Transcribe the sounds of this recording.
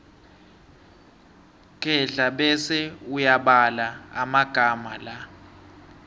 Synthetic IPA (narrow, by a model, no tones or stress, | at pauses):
kʼɛɮaɓɛsɛujaɓalaamaɡ̥ʱamala